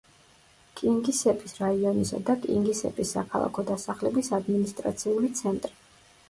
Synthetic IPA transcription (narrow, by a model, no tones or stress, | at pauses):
kʼiŋɡisɛpʼisɾaiɔnisa̰d̪akʼḭŋɡisɛ̰pʼisːakʰalˠa̰kʰɔd̪asaχlɛbisad̪minist̪ʼɾa̰t̪sʰiulit̪sʰɛnt̪ʼɾi